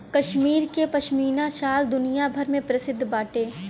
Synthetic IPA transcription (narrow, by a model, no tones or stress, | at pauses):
kɐʃmiːɾkepɐʃmiːnaʃaːld̪ʊnijabʱɐɾmẽpɾɐsɪd̪ʱːbaːʈeː